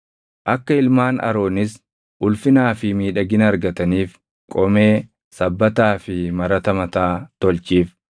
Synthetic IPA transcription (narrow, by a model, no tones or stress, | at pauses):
ʔɐkːɐɪlmaːnɐ̰ɾo̞ːnɪs | ʔʊlfɪnaːfɪmiːᶑɐɡɪnɐɾɡɐt̪ɐniːf | kʼɔme̞ː | sɐbːɐt̪aːfɪmɐɾɐt̪ɐmɐt̪aːt̪ɔlt͡ʃiːf